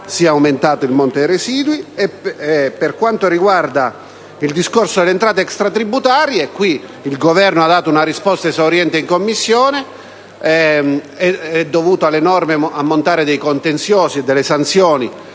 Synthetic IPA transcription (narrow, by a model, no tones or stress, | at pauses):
siaawment̪aːt̪oilmont̪oejɾesiːd̪wiɛpːerkwant̪oɾiɡward̪a | ild̪iskorsod̪elːent̪ɾaːt̪eɛkst̪ɾat̪ɾibut̪aːɾjekwiː | lɡovɛrnoad̪ːaːt̪ounarispɔst̪aesaoɾjɛnt̪eiŋkomːisːjɔːne | ɛɛd̪ːovuːt̪oalːenɔrmeamːont̪aːɾed̪ejkont̪ent̪sjɔːsiɛd̪ːelːesant̪sjɔːni